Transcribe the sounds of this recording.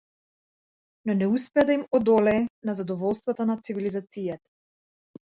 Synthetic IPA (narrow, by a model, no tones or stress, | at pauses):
nɔnɛuspɛad̪aimɔd̪ɔlɛːnazad̪ɔvɔlˠst̪vat̪anat̪sivilizat̪sijat̪ḁ